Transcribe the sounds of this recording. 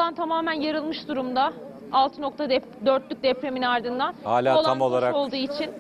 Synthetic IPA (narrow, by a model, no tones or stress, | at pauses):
ant̪ʰamaːmænjaɾɯlˠmɯʃd̪uɾumd̪a | alˠt̪ʰɯno̞k̚t̪ʰad̪ | d̪øɾt̪lʲyk̚d̪ɛpɾe̞minaɾd̪ɯnd̪anha̰ːlʲaːolˠamo̞lˠaɾao̞lˠd̪uːit͡ʃʰin